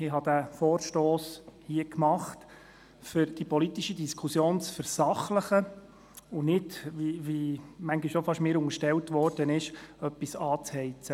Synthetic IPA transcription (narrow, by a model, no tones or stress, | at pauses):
ɪɦɑd̪æfɔːɾʃtoːshiəkmɑχt̪ | fʏɾd̥ipɔlitiʃidiskʰusjoːnt͡sfəɾsɑχləχə | ʊnɪdviʋimæŋɡiʃofɑʃmɪːɾʊŋəɾʃtɛltʋɔːrd̥ənɪʃœpːisɑːt͡shɛɪt͡sə